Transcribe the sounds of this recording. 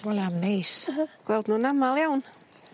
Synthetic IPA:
wɛlamnejsɡ̥wɛlˠd̪nunamaljawn

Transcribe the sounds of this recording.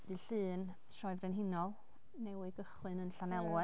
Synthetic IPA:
d̥ɨɬɨːn | ʃɔɨvrɛnɦɪnɔlˠ | nɛwiɡəχwɨnənɬanɛlˠwɛ

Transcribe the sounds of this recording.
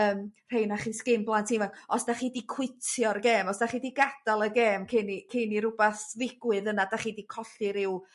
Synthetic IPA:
əːmr̥ejnaχiːskɪmblˠantʰiːnvɛkɔsd̥aχiːdikʰwɪtʰjɔrɡeːmɔsd̥aχiːdiɡad̥alˠəɡeːmkʰɪnikʰeniɾʊbaθðɪɡ̥wɨðənadaχiːdikʰɔɬɪɾɪw

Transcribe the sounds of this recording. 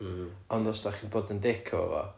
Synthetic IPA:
ɔndɔsdaχiːnboːdəndekʰɔə̰vɔ̰

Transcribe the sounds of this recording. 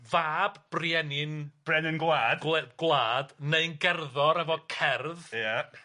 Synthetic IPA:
vaːbb̥riɛnɪnb̥rɛnɪnɡlˠaːd̥ɡ̥lˠaːd̥neɨnɡɛrðɔɾɛvɔkʰɛrðja

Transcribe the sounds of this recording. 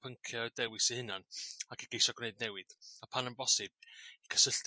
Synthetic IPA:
pʰəŋkʰjɔdɛwɨsihɪnanakʰiɡ̥ejsɔɡneɨdnɛwɨð̥apʰanəmbɔsɨb̥̚ikʰə̥səɬt

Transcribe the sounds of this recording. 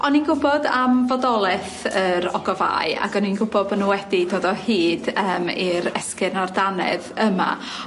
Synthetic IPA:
ɔninɡʊbɔdamvɔdɔlˠɛθəɾɔ̰ɡɔva̰ːɨa̰ɡɔninɡʊbɔdbənuwɛdidoːdɔhiːdəːmiɾɛskɨrnardanɛ̰ðəma̰

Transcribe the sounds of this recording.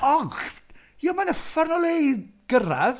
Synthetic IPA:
ɔχ | jɔmanəfarnɔlˠejɡ̥əɾa̰ð

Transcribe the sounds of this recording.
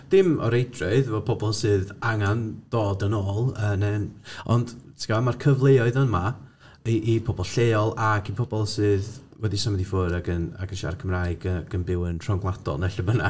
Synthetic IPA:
d̥ɪmɔ̰ɾejdrɔɨðvɔpʰɔbɔlˠsɨːðaŋand̥oːdənoːlˠənɛnɔ̰ndtʰi̥ɡ̥amarkʰəvlˠejɔɨðənma | iʔipʰɔbɔlˠɬeːɔlˠaɡipʰɔbɔlˠsɨːð | wɛdisamɛdifʊɾaɡəna̰ɡɪʃa̰rkʰəmraːjɡəɡ̥ənbɪwəntʰrɔŋɡlˠadɔ̰lˠnɛɬəbəna

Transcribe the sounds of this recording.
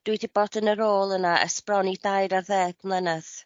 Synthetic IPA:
d̥wujdibɔdənəɾoːlˠənaʔə̰sprɔnidajɾaðɛːɡ̥mlˠɛnəð

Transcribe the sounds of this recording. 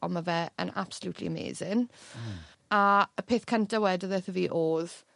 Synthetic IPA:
ɔmavɛə̰na̰b̥səluːtʰlḭəmḛːzɪn | aəpʰeːθkʰəntawɛdəðəθəviːʔoːð

